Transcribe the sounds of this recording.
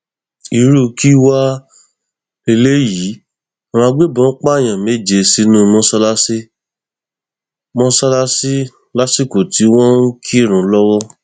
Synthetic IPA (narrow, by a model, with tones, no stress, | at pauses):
i˧ɾu˦˧ki˦wa˦ | e˧le˦ji˨˦ | a˨w̃ã˧ɡ͡be˦˨bɔ̃˨˦k͡pa˦˨j̃ã˨me˨˦d͡ʒe˧si˨˦nũ˦˧mũ˦sa˦la˦si˦ | mɔ̃˦sa˦la˦si˦ | la˦si˦˨ko˨ti˨˦w̃ɔ̃˦ŋ̩˦kʰi˦˨ɾ̃ũ˨˦lɔ˦wɔ˦